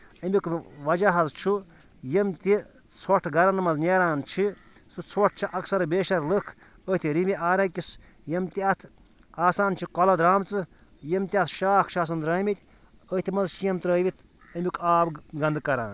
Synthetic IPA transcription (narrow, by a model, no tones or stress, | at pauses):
ɐmʲikʋɐd͡ʒaɦɐzt͡ʃʰu | jemt̪ʲi | t͡sʰoʈʰɡɐɾɐnmɐznʲeːɾaːnt͡ʃʰi | sɨt͡sʰoʈ̚ʰt͡ʃʰiʔɐksɐɾbeːʃɐɾlɨkʰ | ət̪ʰʲiɾimiʔaːɾɐkʲis | jɐmt̪ʲiɐt̪ʰ | aːsaːnt͡ʃʰikɔlɐd̪ɾaːmt͡sɨ | jemt̪ʲiɐt̪ʰʃaːkʰʃʰaːs̬ɐnd̪ɾɐːmʲit̪ʲ | ət̪ʰʲimɐzʃijɐmt̪ɾəːʋʲit̪ʰ | ɐmʲikʰaːbɡɐnd̪kɐɾãːn